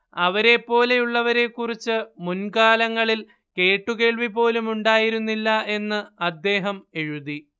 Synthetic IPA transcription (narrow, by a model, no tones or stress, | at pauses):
ɐʋɐɾe̞pːo̞ːle̞juɭːɐʋɐɾe̞kːurit͡ɕːɨmunkaːlɐŋːɐɭil | ke̞ːʈːuke̞ːɭʋipo̞ːlumuɳɖaːjiɾunːilːɐe̞nːɨɐd̪ːe̞ːɦɐme̞ɻuði